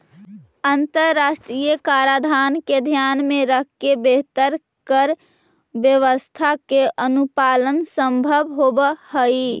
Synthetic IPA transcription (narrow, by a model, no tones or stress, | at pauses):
ənt̪əɾːaʃʈɾijəkaɾad̪ʱanked̪ʱjanmeɾəkʰːebeɦt̪əɾ | kəɾ | bjəʋəst̪ʰakeʔənupalənsəmbʱəbɦobhəi